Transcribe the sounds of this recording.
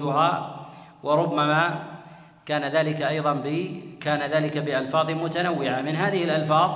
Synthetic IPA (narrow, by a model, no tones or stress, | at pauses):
ʊɦaː | wʔɑɾˤʊbːamaː | kaːnaðaːlɪkaʔɑjðˤɑnbɪkaːnaðaːlɪkabɪʔalfɑːðˤmʊt̪anawːɪʕamɪnɦaːðɪhɪlʔalfɑːðˤ